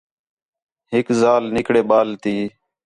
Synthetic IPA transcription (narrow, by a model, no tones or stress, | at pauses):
ɦɪkzaːlnɪkɽeːɓaːlt̪iː